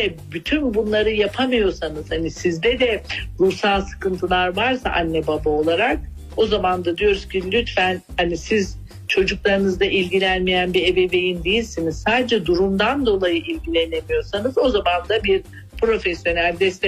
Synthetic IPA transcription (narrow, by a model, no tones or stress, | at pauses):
ɛbyt̪ʰynbunlˠaɾɯjapʰamɯjo̞ɾsanɯz̥hanisizd̪ɛd̪ɛɾusalˠsɯ̥kɯnt̪ʰɯlˠaɾvaɾsa̰ʔanːɛbabao̞lˠaɾak̚ | o̞zamand̪ad̪ijo̞ɾuscʰilʲyt̪fænhanisiz | t͡ʃʰo̞d͡ʒuklˠaɾɯnɯzd̪aʔilʲɟilʲænmijænbie̞be̞be̞jind̪ejilʲsiniz̥saːd̪ed͡ʒɛd̪uɾumd̪and̪o̞lˠajɯʔilʲɟilʲe̞ne̞mijo̞ɾsanɯzo̞zamand̪abiɾ | pɾo̞fɛsjo̞nælʲd̪ɛst̪ʰɛ